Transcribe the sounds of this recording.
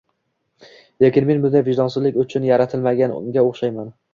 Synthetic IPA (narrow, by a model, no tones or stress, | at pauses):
lekʲɪnme̞nmɪzd̪avɪʒd̪ɒnsɪzlɪkʲʊt͡ʃʰʊnjaɾat̪ʰɪlmaɡʲanɡʲaoχʃajman